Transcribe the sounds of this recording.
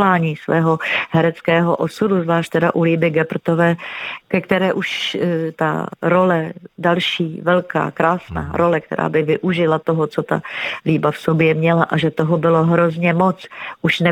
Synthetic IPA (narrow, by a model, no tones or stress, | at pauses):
aːɲiːsvɛːɦoɦɛɾɛt͡skɛːɦoʔosuduzvlaːʃt̚t̪ɛdaʔuliːbɪɡɛpr̩t̪ovɛːkɛkt̪ɛɾɛːʔuʃt̪a̰ɾo̞lɛdalʃiːvɛlka̰ːkɾaːsna̰ːɾo̞lɛkt̪ɛ̰ɾʔa̰ːbɪvɪʔuʒɪlat̪oɦot͡so̞t̪a̰liːbafsobjɛmɲɛlaʔaʒɛt̪oɦobɪlo̞ɦɾozɲɛmot͡sʔuʃnɛ